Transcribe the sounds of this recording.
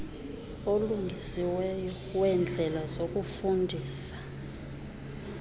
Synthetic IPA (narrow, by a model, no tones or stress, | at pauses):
oluŋʱisiwɛjɔ | wɛnd͡ɮʱɛlazok̬ʼufundʱiːsḁ